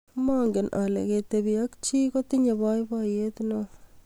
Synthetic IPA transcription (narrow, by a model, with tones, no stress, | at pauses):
mɔ˦ŋɡɪ˨nʔa̰˨lḛ˨ke˨te˨bi˨a˦kt͡ʃi˦ko˦ti˦ɲe˨ba˦jbɔ˦je˦tno